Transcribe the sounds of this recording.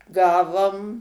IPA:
ˈɡɑːʋoːm

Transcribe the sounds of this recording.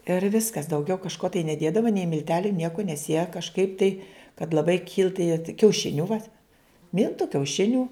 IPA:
ɪr ˈʋʲɪskɐs dɐʊˈɡʲɛʊ kɐʃˈkoː tɐɪ nʲɛˈdʲeːdɐʋoː nʲɛɪ mʲɪlʲˈtʲæːlʲʊ ˈnʲiɛkoː nʲɛs jiɛ kɐʃˈkɐɪp tɐɪ kɐt lˠɐˈbɐɪ kʲɪlˠt tɐɪ jiɛ kʲɛʊˈʃʲɪnʲʊ ʋɐ ˈmʲɪlˠtʊ kʲɛʊˈʃʲɪnʲʊ

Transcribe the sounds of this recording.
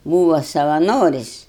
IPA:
ˈbuːʋɐ sɐʋɐˈnoːrʲɪsʲ

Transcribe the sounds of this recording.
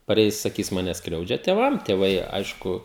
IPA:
pɐˈrʲɛɪs sɐˈkʲiːs ˈmɑːnʲɛ ˈskrʲɛʊd͡ʒʲɛ tʲeːˈʋɐm tʲeːˈʋɐɪ ˈɐɪʃkʊ

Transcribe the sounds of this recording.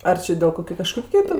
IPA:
ˈɐr t͡ʃʲɪ dʲeːlˠ ˈkoːkʲʊ ˈkɑːʃkoːkʲʊ tʲɛn

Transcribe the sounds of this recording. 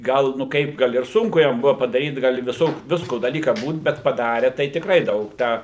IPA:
ˈɡɐlˠ nʊ ˈkɐɪp ˈɡɐlˠ ɪr ˈsʊŋkʊ ˈjɛm ˈbʊʋɐ pɐdɐˈrʲiːt ˈɡɐlˠ ɪ ʋʲɪˈsoːkʲʊ ˈʋʲɪskoː dɐˈlʲiːkɐ ˈbuːt ˈbʲɛt pɐˈdɑːrʲɛ tɐɪ tʲɪkˈrɐɪ ˈdɐʊk ˈtʲæː

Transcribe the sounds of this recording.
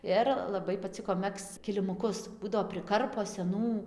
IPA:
ˈɪr lˠɐˈbɐɪ pɐˈt͡sʲɪkoː ˈmʲɛkst͡s kʲɪlʲɪmʊˈkʊs ˈbuːdɐʋoː pʲrʲɪˈkɐrpoː sʲɛˈnuː

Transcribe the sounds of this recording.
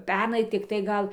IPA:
ˈpʲɛrnɐɪ tʲɪkˈtɐɪ ˈɡɐlˠ

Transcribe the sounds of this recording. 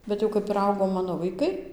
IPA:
ˌbʲɛt jɛʊ ˈkɐp ɪr ˈɐʊɡoː ˈmɑːnoː ʋɐɪˈkɐɪ

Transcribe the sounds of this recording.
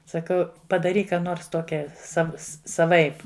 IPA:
sɐˈkɐʊ pɐdɐˈrʲiːk ˈkɑː ˈnoːrs ˈtoːkʲɛ ˈsɐw sɐˈʋɐɪp

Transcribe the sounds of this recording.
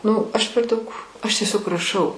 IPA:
ˈnʊ ˈɐʃ pʲɛr ˈdɐʊk ɐʃ tʲiɛˈsʲoːk rɐˈʃɐʊ

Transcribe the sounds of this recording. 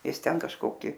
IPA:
ˈɪs ˈtʲɛn kɐʃˈkoːkʲɪ

